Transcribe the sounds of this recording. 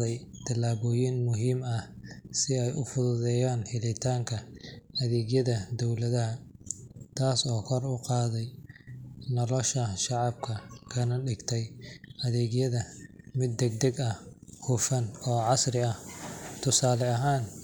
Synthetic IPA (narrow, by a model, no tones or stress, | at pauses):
ɛj | t̪ʰɐlaːβɔːjɪnmʊɦiːmɐhsɪɛjʔʊ̰fʊðʊðɛːjaːnhɪlɪt̪ʰaːŋkʰɐɐðɛːɡjɐðɐd̪ɔwlɐðɐɦɐ | t̪ʰaːsɔːkʰɔrʊqɑːðɛj | nɔlɔʃɐʃɑʕɑb̚kʰɐkʰɐnɐɖɪɡt̪ʰɛjʔɐðɛːɡjɐðɐmɪd̪ːɛɡ̚d̪ɐɡɐhhʊfɐnɔːʕɑsrɪɐht̪ʰʊsaːlɛɐɦaːn